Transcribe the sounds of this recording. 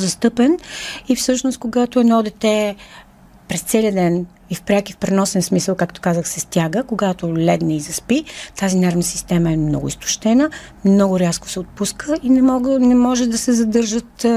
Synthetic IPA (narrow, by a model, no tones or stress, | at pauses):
zɐst̪ɤpɛnifsɤʃnos̚koɡat̪oɛnɔd̪ɛt̪ɛ | pɾɛst̪sɛliəd̪ɛn | ifpɾʲakifpɾɛnɔsɛnsmisəlˠkakt̪o̥kazəxsɛst̪ʲjaɡəkoɡat̪olʲɛd̪nɛizɐspit̪azinaɾvnəsist̪ɛmɐɛmnɔ̰ɡʊ̰ist̪ʊ̥ʃt̪ɛnə | mnɔɡʊɾʲjasko̥sɛot̪̚puskəinɛmɔnɛmɔʒɛd̪ɐsɛzɐd̪ɤɾʒət̪